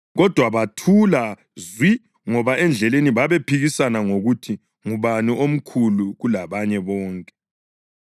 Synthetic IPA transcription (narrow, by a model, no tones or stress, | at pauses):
ɣɔd̥ʱwaβatʰula | zwi | ŋɔβaɛnd͡ɮʱɛleniβaβepʰiɣisanaŋoɣutʰi | ŋuβaniʔom̩kʰuluɣulaβaɲɛβɔːŋkʼɛ̥